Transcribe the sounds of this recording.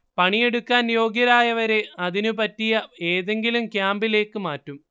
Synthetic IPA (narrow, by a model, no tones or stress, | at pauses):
pɐɳije̞ɽukːaːnjo̞ːɡjɐɾaːjɐʋɐɾe̞ɐðinupɐtːijɐe̞ːðe̞ŋɡilumkjaːmbile̞ːkːɨmaːtːum